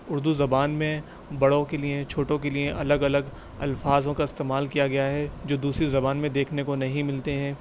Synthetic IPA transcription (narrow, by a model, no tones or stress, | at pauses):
ʊɾd̪uzɐbaːnmẽ | bɐɽõkeliet͡ʃʰoːʈõk̬eliẽʔɐləɡɐləɡ | ɐ̰lfaːzõkaɪst̪eːmaːlkijaɡɐjaɦɛd͡ʒoːd̪uːsɾizɐbaːnmẽd̪eːkʰnekonɐɦĩmɪlt̪eɦɛ̃ː